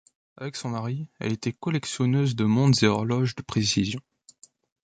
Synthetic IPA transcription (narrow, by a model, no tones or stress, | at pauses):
avɛksɔ̃maʁiɛ̰let̪ɛkɔlɛksjɔnøzd̪əmɔ̃d̪zeɔʁlɔʒd̪əpχesizjɔ̃